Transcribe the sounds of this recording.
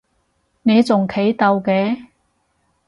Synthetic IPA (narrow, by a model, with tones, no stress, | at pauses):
ne˨˧jt͡sʊ˨˩ŋkʰe˨˥jt̪ɐ˧wkɛː˨˥